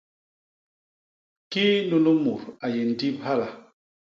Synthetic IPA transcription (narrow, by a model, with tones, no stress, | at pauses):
ki˦nu˦nu˦mu˨ɾa˨je˨n̩˨di˦mha˦la˨